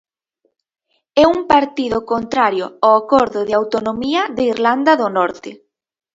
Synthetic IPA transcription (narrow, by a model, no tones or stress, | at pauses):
ɛumpaɾt̪iðʊkont̪ɾaɾjʊawakɔɾðʊðɪawt̪onomiɐðeiɾland̪ɐðʊnɔɾt̪ɪ